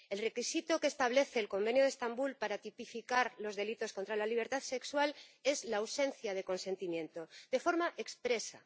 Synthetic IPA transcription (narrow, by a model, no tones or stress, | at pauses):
e̞lre̞kisit̪okeːst̪aβ̞le̞θe̞ːlko̞mbe̞njoð̞est̪ambulpaɾat̪ipifikaɾlo̞zðe̞lit̪o̞sko̞nt̪ɾalaliβ̞e̞ɾt̪aðse̞kswale̞zlaːwse̞nθjað̞e̞ko̞nsẽ̞nt̪imjẽ̞nt̪od̪e̞fo̞ɾmaʔe̞kspɾe̞sa̰